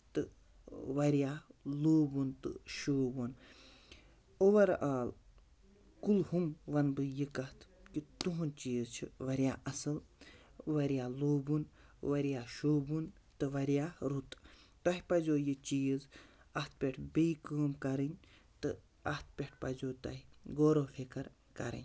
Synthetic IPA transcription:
t̪ɨ | ʋɐɾijaːloːbunt̪ɨ̰ʃoːbun | oʋɐɾaːl | kulhumʋɐnbɨjikɐt̪ʰkit̪uɦunt͡ʃiːzt͡ʃʰḭʋɐɾijaːʔɐsɨl | ʋɐɾijaːloːbunʋɐɾijaːʃoːbun | t̪ɨʋɐɾjaːɾut̪t̪ɐɦipɐzoːjit͡ʃiːz | ɐt̪̚ʰpʲeʈʰbijkɨːmkɐɾɨnʲ | t̪ɨ | ɐht̪̚pʲeʈʰpɐzoːt̪ɐ̰ɦiɡoːɾoːfʰikɐɾ | kɐ̰ɾɐ̰nʲ

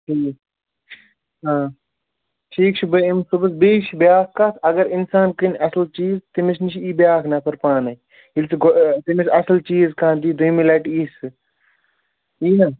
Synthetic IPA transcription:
ʈʰiː | ɦãː | ʈʰiːk̚t͡ʃʰubɐimsubɐsbiːt͡ʃʰibjaːkkaːsɐɡɐɾɪnsaːnkinɐsɐlt͡ʃiːzt̪imet͡ʃnit͡ʃʰiiːbjaːkʰnaːpʰɐɾpaːnɐ | ilsɡt̪imesɐsɐlt͡ʃiːzkãːnd͡ʒiːd̪uimilɐʈiːsɨ | iːnaː

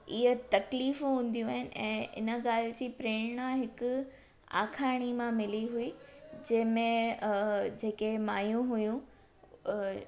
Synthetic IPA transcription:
ɪɦət̪ɐkliːfũɦũːn̆d̪ijũaːɦɪnɪ̆ʔɛ̰̃ːʔɪ̰nə̆ɠaːl̤ɪd͡ʑiːpɾeːɽ̃nãɦɪkʊ | a̰ːkʰaːɽ̃imãmɪliɦuiːd͡ʑɐ̃ɦɪ̃mẽ | d͡ʑeːkemaːjũɦʊjũ

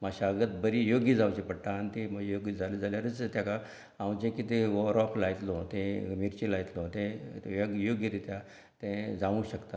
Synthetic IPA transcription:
maɕaəɡət̪̚bəɾijoɡid͡zawt͡ɕepəɽʈ̪aːnit̪ẽməjoɡid͡zʱaled͡zaljaɾət͡st̪jaka | ãwt͡ɕẽkit̪eʋɔɾɔklajt̪lɔt̪ẽmiɾt͡ɕẽlajt̪lɔ̃t̪ẽjəɡjoɡjəɾet̪ja | t̪ẽd͡zãʋũɕəkt̪a

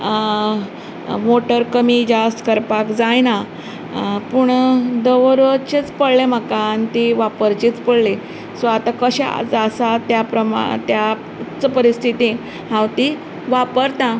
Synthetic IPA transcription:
moʈəɾkəmid͡ʑast̪kəɾpakd͡zajna | puɳd̪əʋɾət͡ɕet͡spəɽlem̤əkaːnit̪iʋapəɾt͡ɕit͡spəɽle | sʋat̪akəɕa̰t͡səsat̪japɾəma̰t̪ja | t͡spəɾist̪ʰit̪i | ɦãwt̪i | ʋapəɾt̪ã

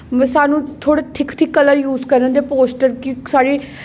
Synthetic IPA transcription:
msaːnũːt̪ʰoːɽeːt̪ʰɪkt̪ʰɪkːələɾjuːzkəɾə̃nd̪eːpoːsʈəɾkisaːɾiː

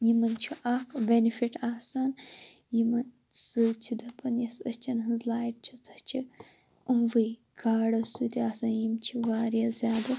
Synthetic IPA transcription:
jimɐnt͡ʃʰuʔakbenifiʈaːsaːn | jimɐn | sɨt͡ʃʰid̪ɐpʰɐnjɐsɐst͡ʃʰɐnɦɨzlaːjiʈ̚t͡ʃʰit͡sɐht͡ʃʰi | umʋɨ | ɡ̥aːɽɐsuːt̪iaːsaːnjimt͡ʃʰiʋaːɾjazʲjaːd̪ɐ

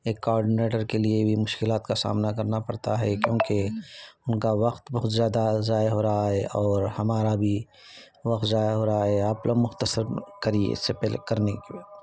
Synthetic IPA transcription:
eːkːoɔːɾɖɪneːʈəɾkeliebʱimʊʃkɪlaːt̪kasa̰ːmnakɐɾnapɐɾt̪aɦɛkjõːkeʊnkaʋɐqt̪bɐɦʊt̪zjaːd̪azaːjaɦoːɾaaɦɛʔɔːɾhɐmaːɾabʱi | ʋɐqt̪zaːjaɦoːɾaaɦɛaːplomʊxt̪əsəɾkɐɾiḛɪ̰sːepɛlḛkɐɾnekebɐ

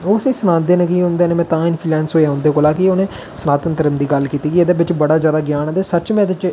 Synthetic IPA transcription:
oːseːsənãːnd̪eːnekiɦʊ̃nd̪eːneːmɛ̃ːt̪ãːɪnpʰiːlɛːnsoːjãːɦʊ̃nd̪eːkoːlaːkɪoːnẽː | sənaːt̪ənt̪əɾəmd̪iːɡəlkiːt̪iːkied̪eːbɪt͡ʃbəɽaːzjaːd̪aːɡjaːnãːd̪eːsəːt͡ʃmɛ̃ːd̪ɪt͡ʃ

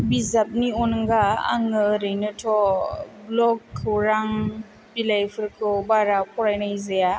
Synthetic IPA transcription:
bizap̚niɔnŋɡaa̰ŋɯɾɯjnɯtʰɔblɔkʰːɯwɾaŋ | bilajpʰɯɾkʰɯwbaɾapɔɾajnaizaja

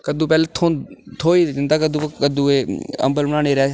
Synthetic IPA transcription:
kəd̪ũːpɛːleːt̪ʰõːt̪ʰoːiːd͡ʒənd̪aːkəd̪ũːkəd̪ũːeːə̰mbəlbəɽãːɽ̃eːɾɛː

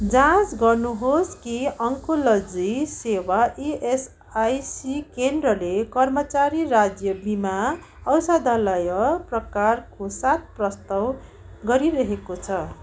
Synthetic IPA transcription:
d͡zãt͡sɡʌrnuɦoskiʌŋkolʌd͡zisewaʔies | ajsikendrʌlekʌrmʌt͡saɾirad͡zjʌbima | ʌwsad̪ʱalʌjʌprʌkarkosat̪̚prʌst̪aw | ɡʌɾiɾʌɦekot͡sʰʌ

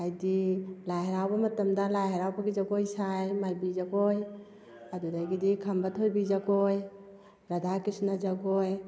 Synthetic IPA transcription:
ajdilaɦɾawbamatəmdalajɦeɾawbaɡid͡ʒaɡojsajmajbid͡ʒaɡoj | ad̪udajɡidikʰambət̪ʰɦojbid͡ʒaɡoj | ɾad̪ʱakisnad͡ʒaɡoj

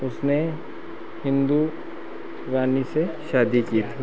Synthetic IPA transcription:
ʊsne | hɪ̃nd̪u | ɾaːniseʃaːd̪ikiːt̪ʰi

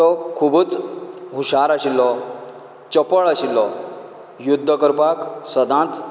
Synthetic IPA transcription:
ɔkʰubut͡sɦuɕaɾaɕilːɔ | t͡ɕəpəɭaɕilːɔ | jud̪ʱːəkəɾpaksəd̪ʱãt͡s

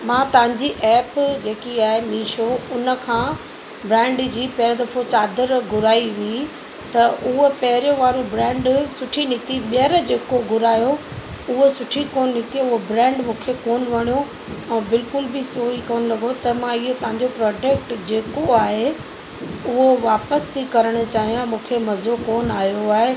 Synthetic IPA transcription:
mãːt̪ɐʋə̃ɲd͡ʑiʔɛːpd͡ʑeːkiaːɦenĩːʃoʊnə̆kʰãː | bɾɛ̃ːɳɖd͡ʑiːpɛɾd̪ɐfʰot͡ɕaːd̪əɾɡʱʊɾaːiʋii | t̪ɐʔʊɦopɐɦɪɾijõʋaːɾobɾɛ̃ːɳɖsʊʈʰinɪkt̪iɓjəɾd͡ʑeːkoɡʱʊɾaːjo | ʊɦosʊʈʰikoːnnɪ̃t̪ijoʊɦobɾɛ̃ːɳɖmũːkʰekoːnʋɐɽ̃ijo | ɛ̃ːbɪlkʊlbɪsoːikoːnlɐɡot̪ɐmãɪɦot̪ɐ̃ɦãɲd͡ʑopɾɔːɖek̚ʈd͡ʑeːkoaːɦe | ʊɦoʋaːpəst̪ʰikɐɾəɽ̃̆t͡ɕaːɦijãmũːkʰemɐzokoːnaːɦjoaːɦe

